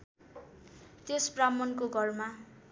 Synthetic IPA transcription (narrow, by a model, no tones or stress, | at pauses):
t̪espramʌnkoɡʱʌrma